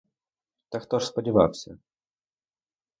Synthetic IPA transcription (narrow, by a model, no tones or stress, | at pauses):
t̪akt̪oʂspədʲɪva̰fsʲə